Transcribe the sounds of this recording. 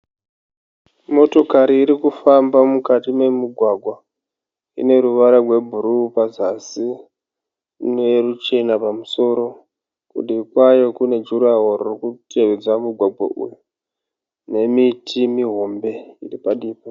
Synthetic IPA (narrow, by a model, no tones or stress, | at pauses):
mo̞to̞kaɾiːɾikufambamukatime̞muɡʱwaɡʱwa | ḭne̞ɾuʋaɾarwe̞bʱuɾupazasi | nerut͡ʃe̞napamuso̞ɾo̞ | kṵɗikwajo̞kune̞d͡ʒuɾaɦorurikutʰe̞ʋed͡zwamuɡʱwaɡʱwa̰ʔṵju | ne̞mitʰimiɦo̞mbe̞iripaɗiːpa